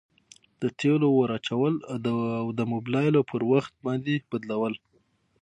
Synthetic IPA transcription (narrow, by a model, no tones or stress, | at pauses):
d̪̥ət̪ʰelowaɾɑt͡ʃawəlawd̪əmʊblɑjlopʰəɾwaxt̪̚bɑnd̪eb̥ad̪lawəl